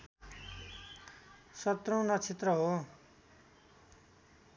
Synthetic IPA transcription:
sʌt̪row̃nʌt͡sʰit̪rʌɦo

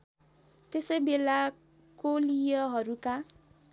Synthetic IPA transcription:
t̪esʌjbela | kolijʌɦʌɾuka

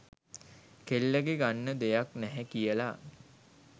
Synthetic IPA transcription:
kelːəɡeɡanːəd̪ejaknɛɦɛkijəla

